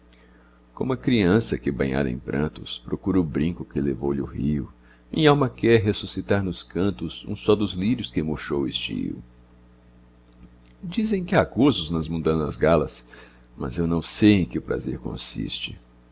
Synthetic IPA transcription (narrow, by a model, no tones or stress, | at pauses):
kõmʊɐkɾiɐ̃sɐkɪbɐ̃ɲa̰d̪ɐḛ̃j̃pɾʔɐ̰̃nt̪ʊspɾokuɾʊbɾĩŋkʊkɪlevo̰wʎɪʊhiʊ | mĩɲawmɐkɛɾɦesusit̪aɾnʊskɐ̃nt̪ʊzṵ̃sɔd̪ʊzliɾʊskɪmoʃowist͡ʃḭɾʊ̰ | d͡ʒizẽj̃kɪaɡozʊznɐzmũnd̪ɐ̃nɐzɡalɐs | mɐ̰zewnɐ̃w̃sejẽj̃kɪʊpɾa̰zeɾkõ̰sḭst͡ʃɪ